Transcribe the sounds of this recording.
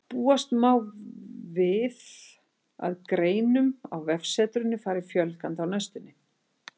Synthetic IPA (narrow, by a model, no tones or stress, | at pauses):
puːast̪maːwvɪð | a̰ðkɾeːjnʏma̰wvɛfsɛːt̪ɾʏnːɪfaːɾɪfjœlkant̪awnast̪ɪnːɪ